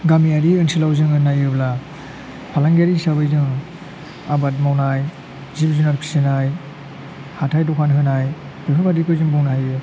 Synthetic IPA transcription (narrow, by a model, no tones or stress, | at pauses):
ɡamiaɾiɯnsilawzɯŋɯnajɯbla | pʰalaŋɡaɾisabɯjzɯŋ | abat̚mawnaj | zib̚zunaɾkʰi̥sɯnaj | hatʰajdɔkʰanɦɯnaj | bɯpʰɯbadikɯjzɯŋbɔŋnaajɯ